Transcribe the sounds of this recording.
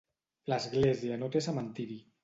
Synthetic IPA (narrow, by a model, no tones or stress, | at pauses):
ləzɣlezianot̪esamant̪iɾi